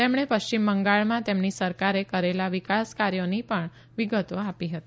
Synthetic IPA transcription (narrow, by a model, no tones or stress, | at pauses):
t̪emɽ̃epəʃt͡ʃimbəŋɡaɭmãt̪emnisəɾkaɾekəɾelaʋikaskaɾjonipəɳ | ʋiɡət̪oapiɦət̪i